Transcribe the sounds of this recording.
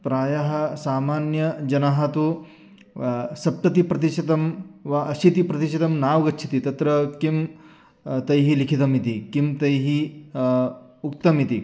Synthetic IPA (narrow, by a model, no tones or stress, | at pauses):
pɾaːjɐɦɐ̆saːmaːnjɐd͡ʒɐnɐɦɐt̪u | sɐp̚t̪ɐt̪ipɾɐt̪̬iʃɐt̪ɐmʋɐɐsit̪ipɾɐt̪iʃɐt̪ɐmnaːʋɡɐt͡ʃʰi̥t̪it̪ɐt̪ɾɐkim | t̪ɐjɦilikʰit̪ɐmit̪ikimt̪ɐjɦi | uk̚t̪ɐmit̪i